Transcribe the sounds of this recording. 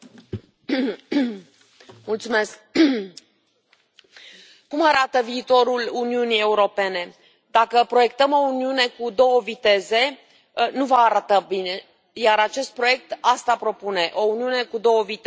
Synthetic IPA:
mult̪sume̞sk̚ | umaɾat̪əviːt̪o̞ɾuluniunije̞uɾo̞pe̞ne̞ | d̪akəpɾo̞je̞k̚t̪əmo̞uniune̞kud̪o̞wəvit̪e̞ze̞ | nuvəːɾat̪əbine̞ | jaɾat͡ʃe̞st̪̚pɾo̞je̞k̚t̪ast̪apɾo̞pune̞ʔo̞uniune̞kud̪o̞wəvit̪

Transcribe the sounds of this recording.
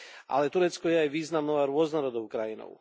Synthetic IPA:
a̰lɛt̪uɾet̪skojejʋiːznamnoaɾuoznaɾod̪oukɾajino̰ṵ

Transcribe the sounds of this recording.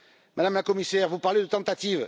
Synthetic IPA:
mad̪amlakɔmisɛʁvupaʁled̪ət̪ɑ̃t̪at̪iv

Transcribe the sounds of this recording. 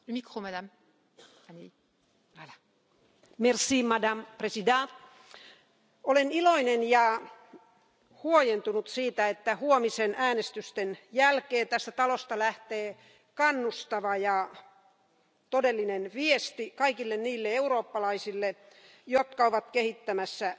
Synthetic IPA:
mikromedæm | mersiːmɑdɑmpresidɑː | oleniloinenjɑ | huojent̪unut̪siːt̪æet̪ːæhuomisenæːnest̪yst̪enjælkeːt̪æst̪æt̪ɑlost̪ɑlæht̪eː | kɑnːust̪ɑʋɑjɑ | t̪odelːinenʋiest̪ikɑikilːenniːlːeeuroːpːɑlɑisilːe | jot̪kɑoʋɑt̪kehit̪ːæmæsːæ

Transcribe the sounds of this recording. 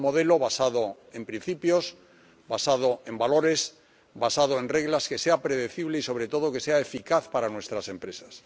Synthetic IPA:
mo̞ð̞e̞lo̞βasaðo | e̞mpɾin̟θipjo̞s | basað̞oembalo̞ɾe̞s | basað̞oe̞nre̞ɣlaske̞seapɾe̞ðe̞θiβle̞iso̞β̞ɾe̞t̪o̞ð̞oke̞seaefikaθpaɾanwe̞st̪ɾase̞mpɾe̞sḁs

